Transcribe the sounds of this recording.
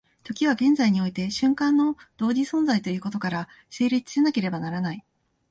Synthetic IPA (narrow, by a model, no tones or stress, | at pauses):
t̪o̞kʲiβ̞aɡẽ̞nd͡zaiɲ̟io̞it̪e̞ɕɨ̃ŋkãnːo̞d̪̥o̞ːd͡ʑisõ̞nd͡zait̪o̞jɯ̟ːko̞t̪o̞kaɾa | se̞ːɾʲit͡si̥ɨ̥senake̞ɾe̞banaɾanai